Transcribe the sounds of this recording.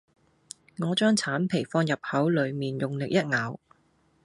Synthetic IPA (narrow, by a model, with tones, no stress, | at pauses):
ŋɔː˨˧t͡ʃœː˥ŋt͡sʰaː˨˥npʰe˨˩jfɔː˥njɐ˨p̚hɐ˨˥wlɵ˨˧ɥmiː˨njʊ˨ŋlɪ˨k̚jɐ˥t̚ŋaː˨˥w